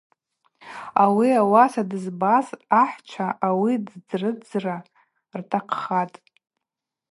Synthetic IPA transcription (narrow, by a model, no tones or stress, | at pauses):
awiawasadɨzbazaħʷt͡ʃʷʰaʔawidd͡zrɨd͡zra | rtʰaqʰχatʼ